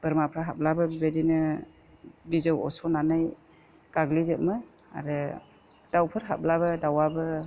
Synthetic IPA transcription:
b̥ɯɾmapʰɾaɦap̚labɯbibedinɯ | bizɯwɔ̰sɔnanaj | kaɡlizɯt̚mɯ | a̰ɾɯ | d̥awpʰɯɾɦa̰p̚labɯdawabɯ

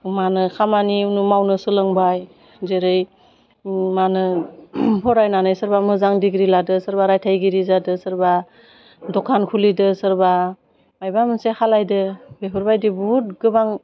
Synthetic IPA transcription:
manɯkʰamaniunumawnɯsɯlɯŋbaj | zeɾɯj | manɯ | pʰɔɾajnanɯjsɯɾbamɯzaŋdiɡɾiladɯsɯɾbaɾajtʰajɡiɾizadɯsɯɾba | dɔkʰankʰulidɯsɯɾba | majbamɯnsehʰalajdɯbepʰɯɾbajdibuut̚ɡɯbaŋ

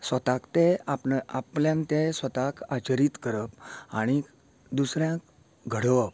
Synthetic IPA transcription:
sʋət̪akt̪eapapljãnt̪esʋət̪akat͡ɕəɾiːt̪kəɾəpaɽ̃i | d̪usɾjãk̚ | ɡʱəɽʋəp̚

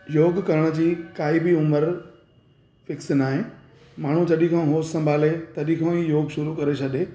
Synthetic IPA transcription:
joːɡkɐɾəɽ̃əd͡ʑiːkaːibɪʊməɾ | fɪksnaːɦɪ̃ | maːɳ̤ũt͡ɕɐɗĩkʰãɦoːssɐ̃mbʱaːlet̪ɐɗĩkʰãijoːɡʃʊɾukɐɾet͡ɕʰɐɗeː

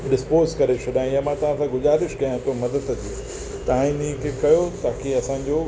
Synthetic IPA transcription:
ɗɪspoːzkɐɾet͡ɕʰɐɗaːĩjamãt̪ɐʋ̤ãsãɡʊzaːɾɪʃkɐjãt̪ʰomɐd̪əd̪d̪iː | t̪ɐãinikʰekɐjot̪aːkʰeɐsãɲ̆d͡ʑoː

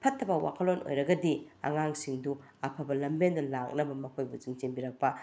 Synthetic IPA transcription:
pʰɐtʰːɐbɐwa̰kʰɐlonʔo̰jɾɐɡɐdiɐ̰ŋaŋsiŋdu | ɐpʰɐbɐlɐmbendɐlak̚nɐbɐmɐkʰojbuziŋt͡ʃembiɾɐk̚pɐ

